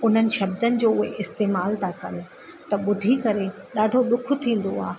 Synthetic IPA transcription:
ʊn̤ənɪ̆ʃɐbd̪ənɪ̆d͡ʑoːʊɦeʔɪst̪eːmaːlt̪ʰakɐn̆ | t̪ɐɓʊd̪ʱikɐɾe | ɗaːɖʱoɗʊkʰʊ̆t̪ʰĩːn̆d̪o̰a̰ːɦ

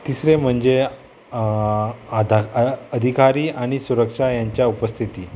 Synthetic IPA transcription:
t̪isɾem̤əɳd͡ze | d̪ʱaəd̪ʱikaɾiːaɽ̃isuɾəkʂajaɲt͡ɕjaupəst̪ʰit̪iː

